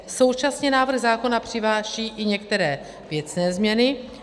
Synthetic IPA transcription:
so̞wt͡ʃasɲɛnaːvr̩ɣzaːko̞napr̝̥ɪvaːʃiːʔɪɲɛkt̪ɛɾɛː | vjɛt͡snɛːzmɲɛnɪ

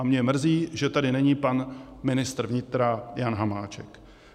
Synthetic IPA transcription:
amɲɛmr̩ziːʒɛt̪adɪnɛɲiːpanmɪnɪst̪ɾ̩vɲɪt̪ɾajanɦamaːt͡ʃɛk

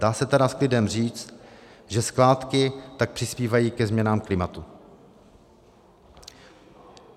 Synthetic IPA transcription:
daːsɛt̪ɛdasklɪdɛmr̝iːt͡st̪ʒɛsklaːt̪kɪt̪ak̚pr̥ɪspiːvajiːkɛzmɲɛnaːmklɪmat̪u

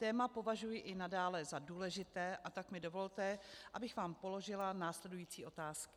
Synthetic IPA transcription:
t̪ɛːmapo̞vaʒujɪʔɪnadaːlɛzaduːlɛʒɪt̪ɛːʔat̪akmɪdo̞vo̞lt̪ɛʔabɪxvaːmpo̞lo̞ʒɪlanaːslɛdujiːt͡siːʔo̞t̪aːskɪ̥

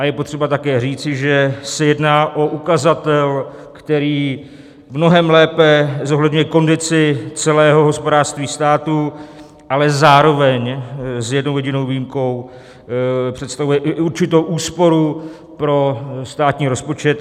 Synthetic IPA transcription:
ʔajɛpo̞t̪r̝̥ɛbat̪akɛːriːt͡sɪʒɛsɛjɛdnaːʔo̞ʔukazat̪ɛl | kt̪ɛɾiː | mno̞ɦɛmlɛːpɛzo̞ɦlɛdɲujɛko̞ndɪt͡sɪt͡sɛlɛːɦo̞ɦo̞spodaːr̥st̪viːst̪aːt̪u | ʔalɛzaːɾo̞vɛɲzjɛdnowjɛɟɪno̞wvijimko̞w | pr̝̥ɛt̪st̪avujɛʔʔuɾt͡ʃɪt̪owʔuːspo̞ɾu | pɾo̞st̪aːt̪ɲiːɾo̞spo̞t͡ʃɛt̪

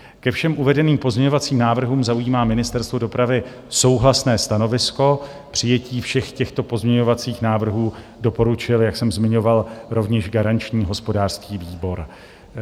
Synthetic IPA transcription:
kɛfʃɛmʔuvɛdɛniːmpo̞zmɲɛɲo̞vat͡siːmnaːvr̩ɦuːmzaujiːmaːmɪnɪst̪ɛɾst̪vodo̞pɾavɪ | so̞wɦlasnɛːst̪ano̞vɪsko̞ | pr̥ɪjɛciːfʃɛxcɛxt̪o̞po̞zmɲɛɲo̞vat͡siːxnaːvr̩ɦuː | do̞po̞ɾut͡ʃɪljaksɛmzmɪɲo̞valɾo̞vɲɛʃɡaɾant͡ʃɲiːɦo̞spo̞daːr̥skiːviːbo̞ɾ

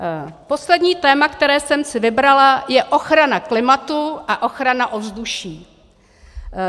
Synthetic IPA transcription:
po̞slɛdɲiːt̪ɛːmakt̪ɛɾɛːsɛmsɪvɪbɾalajɛʔo̞xɾanaklɪmat̪uʔaʔo̞xɾanaʔo̞vzduʃiː

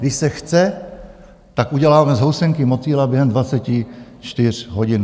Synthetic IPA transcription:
ɡdɪʃsɛxt͡sɛ | t̪akʔuɟɛlaːamɛzɦowsɛŋkɪmot͡siːlabjɛɦɛmd̪vat͡sɛcɪt͡ʃt̪ɪr̝ɦoɟɪn

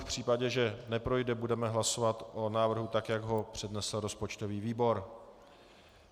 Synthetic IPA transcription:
fpr̝̥iːpaɟɛʒɛnɛpɾo̞jdɛbudɛmɛɦlaso̞vat̪ʔonaːvr̩ɦut̪akjaɡɦo̞pr̝̥ɛdnɛsl̩ɾo̞spo̞t͡ʃt̪oviːviːbo̞ɾ

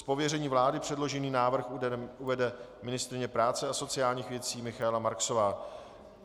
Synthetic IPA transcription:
spo̞vjɛrɛɲiːvlaːdɪpr̥ɛdlo̞ʒɛniːnaːvr̩xuuvɛdɛ | mɪnɪst̪ɾɪɲɛpɾaːt͡sɛaso̞t͡sɪjaːlɲiːxvjɛt͡siːmɪxaɛlamaɾkso̞vaː

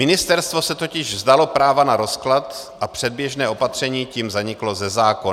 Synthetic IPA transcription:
ɪnɪst̪ɛɾst̪vo̞sɛt̪o̞cɪʒvzd̪alo̞pɾaːvanaɾo̞sklat̪ʔapr̥ɛd̪̚bjɛʒnɛːʔo̞pat̪r̝̥ɛɲiːciːmzaɲɪklo̞zɛzaːko

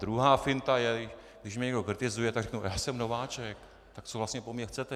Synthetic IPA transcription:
d̪ɾuɦaːfɪnt̪ajɛɪ | ɡdɪʃmɛɲɛɡdokɾɪt̪ɪzujɛt̪aɡrɛknujaːsɛmnovaːt͡ʃɛk | t̪ak̚t͡sovlast̪ɲɛpomɲɛxt͡sɛt̪ɛ

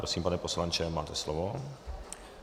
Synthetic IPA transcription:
ɾosiːmpanɛposlant͡ʃɛmaːt̪ɛslovo

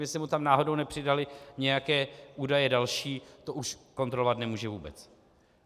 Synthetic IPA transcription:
mɪsɪmut̪amnaːɦo̞do̞wnɛpr̝̥ɪdalɪɲɛjakɛːʔuːdajɛdalʃiːt̪o̞ʔuʃko̞nt̪ɾolovat̪nɛmuːʒɛvuːbɛ̰t͡s

